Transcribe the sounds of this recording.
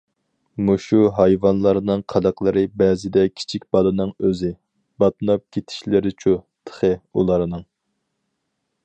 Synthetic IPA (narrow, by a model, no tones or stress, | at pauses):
muʃuɦɑjvɑnlˠɑɾnɨŋqʰɑd̪ɑqlˠɨɾɨbɛzɪd̪ɛkʲʰi̥t͡ʃʰikʲb̥ɑlɨnɨŋøzɪ | bɑt̪̚nɑp̚kʲʰet̪ʰi̥ʃlɪɾɪt͡ʃʰut̪ʰə̥χəulˠɑɾnɨŋ